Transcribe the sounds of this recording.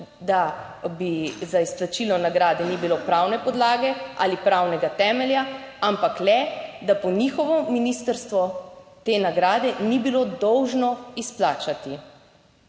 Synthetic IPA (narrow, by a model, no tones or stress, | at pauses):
d̪a | bizaisplat͡ʃilɔnaɡɾaːd̪ɛnibilopɾaːwnɛpɔd̪laːɡɛʔa̰lipɾawnɛɡat̪ɛːmɛljaampaklɛd̪apɔnixɔʋɔminist̪əɾst̪ʋɔt̪eːnaɡɾaːd̪ɛnibilod̪ɔwʒnɔisplaːt͡ʃat̪i